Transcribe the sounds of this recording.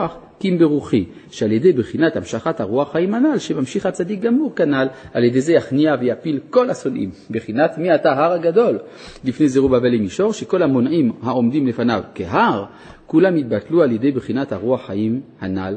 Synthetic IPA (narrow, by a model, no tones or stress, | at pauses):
aχ | kimbeʁuχi | ʃealjed̪ejbχinat̪hamʃaχat̪haʁuaχːaimhanalʃemamʃiχat͡sad̪ik̚ɡamuʁkanalaljed̪eze̞jaχniavejapilko̞lasonʔḭmbeχinat̪miat̪aɦaʁaɡad̪o̞l | lifnejzeʁubavelimiʃo̞ʁʃeko̞lhamonʔimhao̞md̪imlefanavkeɦaʁ | kulamit̪̚batlualjed̪e̞jbχinat̪haʁuaχːajimhanal